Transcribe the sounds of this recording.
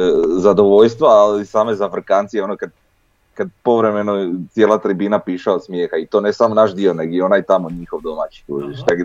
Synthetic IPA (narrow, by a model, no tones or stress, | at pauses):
zad̪o̞ʋo̞ʎst̪ʋaːlisaːmezafr̩kaːnt̪sijeonokad̪ | kad̪̚po̞ʋɾe̞me̞not̪sje̞lˠat̪ɾibinapiːʃaod̪smje̞ːxait̪o̞ne̞samonaʃd̪io̞neɡjeo̞najt̪amoɲixo̞ʋd̪o̞mat͡ɕi̥kṵziʃneɡ